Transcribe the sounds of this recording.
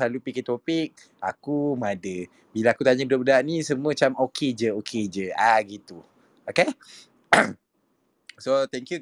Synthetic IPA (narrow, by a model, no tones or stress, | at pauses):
alupikət̪opik̚ | akumadə | bilaakut̪aɲabədaʔbədaʔnĩsəmuə̃t͡ʃamokʰed͡ʒəokʰed͡ʒəaɡit̪u | oke | sot̪ɛŋkju